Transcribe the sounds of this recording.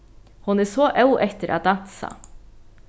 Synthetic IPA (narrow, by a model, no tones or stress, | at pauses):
hʊnæːsoːʔɑʉʔɛt̪əɾʔɑ̰d̪ɑt̪sɑ̰ː